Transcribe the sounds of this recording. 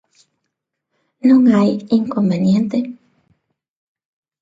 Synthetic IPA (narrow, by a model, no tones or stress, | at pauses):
noŋajiŋkombenjent̪e